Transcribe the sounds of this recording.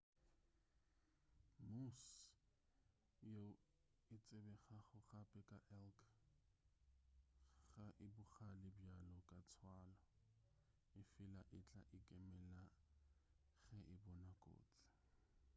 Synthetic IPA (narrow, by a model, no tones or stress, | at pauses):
mus | jo | ɪt͡sʼɪbɛχaχʊχapʼɛkʼaʔɛlkʰ | ɣaʔɪbʊχalɪbjalɔkʼat͡sʰwaːlɔ | ɪfɪlaʔɪt͡ɬʼa̰ʔɪkʼɛmɛla | ɣɛʔɪbɔnakʼo̰ːt͡sʼɪ̥